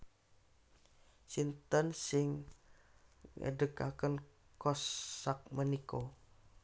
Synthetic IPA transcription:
sint̪ənsɪŋ | ŋə̰dəka̰kən | kɔsak̚məniko

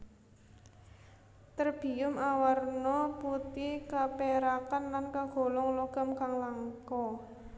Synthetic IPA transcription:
t̪ərb̥i̤ʊmawarnɔput̪ikapeɾakanlankaɡ̥o̤lɔŋloɡ̥a̤mkaŋlaŋkɔ

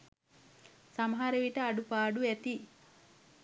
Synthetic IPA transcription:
sɐmɦɐɾɐʋiʈɐːɖupaːɽuet̪i

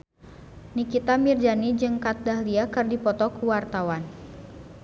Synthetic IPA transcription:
nikit̪amird͡ʒanid͡ʒɨŋkat̪̚dahliakɨrdipɔt̪ɔkuwart̪awan

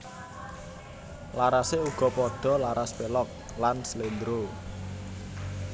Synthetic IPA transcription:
laɾaseuɡ̥ɔ̤pɔɖ̥ɔ̤laɾaspelɔk̚ | lanslend̪ɾo

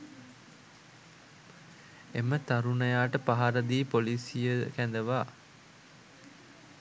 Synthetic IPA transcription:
emət̪aɾunəjaːʈəpaɦaɾəd̪iːpolisijəkænd̪əʋaː

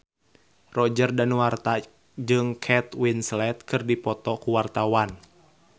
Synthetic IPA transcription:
rɔd͡ʒərdanuwart̪a | d͡ʒɨŋkʰɛt̪winslɛt̪̚kɨrdipɔt̪ɔkuwart̪awan

